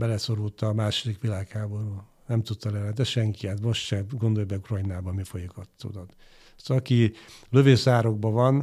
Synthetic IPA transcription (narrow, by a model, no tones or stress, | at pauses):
bɛlɛso̞ɾult̪ɒmaːʃo̞d̪ikʋilaːkhaːbo̞ɾuː | nɛmt̪ut̪ːɒlɛvɛd̪ɛʃɛŋkiat̪mo̞ʃt̪ʃɛɡo̞nd̪ojbɛkrojnaːbɒmifojikɒt̪ːo̰ːd̪ɒt̪ | sɒkiløveːsaːɾo̞ɡ̚bɒvɒn